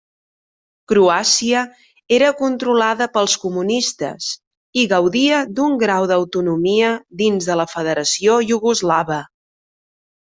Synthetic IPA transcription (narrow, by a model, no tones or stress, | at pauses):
kɾuasiə | eɾəkunt̪ɾulaðəpəlˠskumunist̪ə̰s | iɣəwðiəd̪uŋɡɾawðəwt̪unumiəðinzðələfəðəɾəsioʒuɣuzlaβə